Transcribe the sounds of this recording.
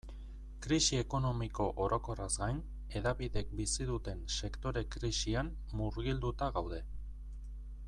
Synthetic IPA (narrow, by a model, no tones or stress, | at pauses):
kɾisie̞ko̞no̞miko̞ʔoɾo̞ko̞razɡajn | e̞ðaβiðe̞k̚bisiðut̪e̞nse̞kt̪o̞ɾe̞kɾisiam | muɾɣild̪ut̪aɣawðe̞